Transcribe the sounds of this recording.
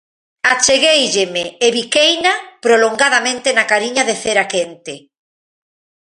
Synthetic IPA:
at͡ʃeɣejʎemeːβikejnapɾoloŋɡaðamẽnt̪enakaɾiɲaðeθeɾakent̪e

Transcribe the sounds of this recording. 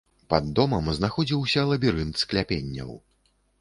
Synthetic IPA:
pɐd̪ːɔmɐmznaxɔd͡zʲiwsʲɐlˠɐbʲiɾɨnt̪sklʲapʲenʲːɐ̰w

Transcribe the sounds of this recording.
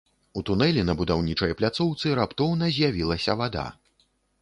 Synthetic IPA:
ut̪unɛlʲɛnɐbud̪awnʲit͡ʂɐjɐplʲat̪sɔwt̪sɨɾapt̪ɔwnɐzʲjavʲilˠɐsʲɐvad̪a̰

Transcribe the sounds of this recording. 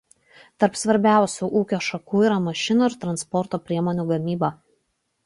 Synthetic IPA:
t̪ɐɾpsʋɐɾʲbʲæˑʊsʲuːʔuːkʲoːʃɐkuːiːɾɐmɐʃʲɪnuːɪɾt̪ɾɐnspɔɾt̪oːpʲɾʲiɛmoːnʲuːɡɐmʲiːbɐ

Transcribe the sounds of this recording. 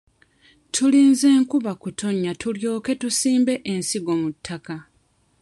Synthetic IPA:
tʰuliːnze̞ːŋkuβakutʰo̞ɲːatʰuljo̞ːke̞tusiːmbe̞ʔensiɡo̞ːmutʰːaka

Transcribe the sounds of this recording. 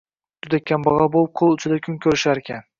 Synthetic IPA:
t̪ʰʊd̪akʲːambɒʁɑbolˠɨp̚qʰolˠʊt͡ʃʰɪd̪akʲʰʊŋkʲʰɵɾɪʃaɾekʲʰan

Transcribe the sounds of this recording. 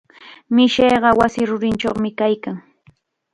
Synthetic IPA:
mɪʃeːɢɑwasɪɾʊɾɪnt͡ʃoχmɪkajkaŋ

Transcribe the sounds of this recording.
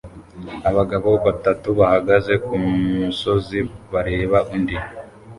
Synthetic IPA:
aβaɡaβoβatatuβahaɡaze̞kummuso̞ziβaɾe̞ːβaʔundi

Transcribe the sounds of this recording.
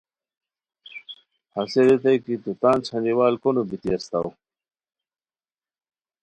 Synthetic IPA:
haseɾet̪ɐjkit̪ut̪aːnt͡ɕʰɐniwaːlkonubit̪iɐst̪aw

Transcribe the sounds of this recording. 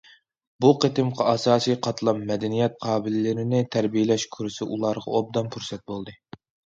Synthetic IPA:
buqʰet̪ɪmqʰɑɑsɑːsijqʰɑt̪lˠɑmːɛd̪ɛnijɛt̪̚qʰɑːbɪlɪlɪɾɪnɪt̪ʰæɾbijelɛʃkʲʰyɾɪsɪʔulˠɑɾʁɑ̰ob̚d̪ɑmpʰuɾsɛt̪̚bolˠd̪ɨ

